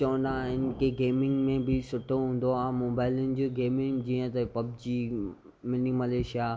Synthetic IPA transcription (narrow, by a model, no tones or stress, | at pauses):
t͡ɕɐʋə̃nd̪aːɦɪnɪ̆keɡeːmɪ̃ŋɡmẽbʱɪsʊʈʰoɦũːn̆d̪oãmoːbaːɪlʊnɪ̆d͡ʑoːɡeːmɪ̃ŋɡd͡ʑiːə̃t̪ɐpɐb̚d͡ʑiː | mɪnimɐleːʃja